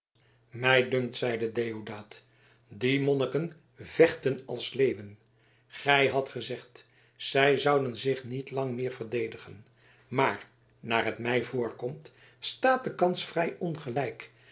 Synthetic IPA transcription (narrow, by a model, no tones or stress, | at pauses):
mɛjdɵŋk̚tsɛjdədejodaːt | dimɔnəkən | vɛχtənɑlˠslejvən | χɛjɦɑtχəzɛχt | sɛjzʌwdənzɪχnitlɑŋmɪːɹv̥əɹdejdəχən | maːɹ | naːɹɦətmɛjvʊːɹkɔmt | staːt̚dəkɑnsfrɛjɔnχəlɛjk